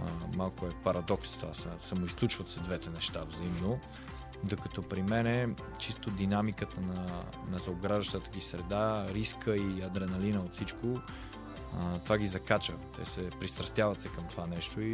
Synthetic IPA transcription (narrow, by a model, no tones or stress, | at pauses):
malˠkʊɛpɐɾɐd̪ɔkst̪asəsamoisklˠut͡ʃvɐt̪sɛd̪vɛt̪ɛnɛʃt̪avzɐimno | d̪okɐt̪ɔpɾimɛnɛ | t͡ʃist̪od̪inamikət̪ənɐ | nɐzɐoɡɾaʒəʃt̪ət̪əɡʲisɾɛd̪aɾiskəiɐd̪ɾɛnɐlinəot̪sit͡ʃko | t̪ovaɡizɐkat͡ʃət̪ɛ̰sɛpɾist̪ɾɐst̪javɐt̪sɛkɐmt̪ovanɛʃt̪oi